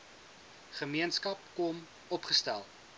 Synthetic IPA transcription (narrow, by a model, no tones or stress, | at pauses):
χəmiənskɐp̚kɔm | ɔpχəstæ̰lˠ